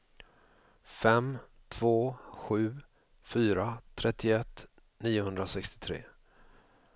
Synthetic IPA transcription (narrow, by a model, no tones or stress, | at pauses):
fɛm | t̪ʰv̥oːɧʉ̟ː | fyːɾat̪ʰɾɛt̪ʰːɪʊɛt̪ː | niːʊɦɵnd̪ɾasɛkst̪ɪ̥t̪ʰɾḛː